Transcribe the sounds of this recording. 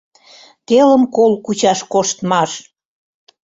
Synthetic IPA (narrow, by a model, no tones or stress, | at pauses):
t̪elə̆mkolkut͡ɕɑʃkoʃt̪mɑʃ